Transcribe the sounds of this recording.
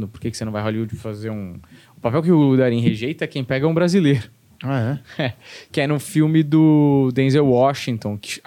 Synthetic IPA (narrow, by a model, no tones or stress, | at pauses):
d̪ʊpoɾkekɪsenɐ̃vajɦoliʊd͡ʒɪfazeũ | ʊpapɛwkɪʊd̪aɾĩɦeʒejt̪ɐɛkẽj̃pɛɡɐũbɾazileɾʊ | aɛɛkɪɛnʊfiwmɪd̪ʊd̪ẽzewwɔʃĩt̪õkɪ̥